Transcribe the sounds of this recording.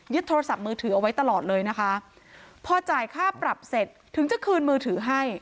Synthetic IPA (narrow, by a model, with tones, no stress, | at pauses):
jɯ˦˥t̪ʰːoː˧ɾa˧sa˨˩p̚mɯː˧t̪ʰɯː˩˦ʔa˧wa˦˥jt̪a˧lɔː˨˩t̪̚lɤː˧jna˦˥kʰa˦˥ | pʰɔː˧t͡ɕaː˨˩jkʰaː˥˩pɾa˨˩p̚se˨˩t̪ʰːɯ˩˦ŋt͡ɕa˨˩kʰɯː˧nmɯː˧t̪ʰɯː˩˦ɦa˥˩j